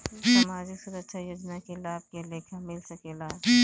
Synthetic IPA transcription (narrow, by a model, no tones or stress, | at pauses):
sɐmaːzisuːɾət̪ːʃʰajoːd͡ʒnakelaːb̚keleːkʰamɪlsɐkelaː